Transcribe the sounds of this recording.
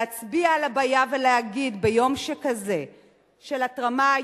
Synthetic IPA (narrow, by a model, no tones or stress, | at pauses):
at͡sbiaːlabajaveleaɡid̪bejo̞mʃekaze̞ | ʃelatʁama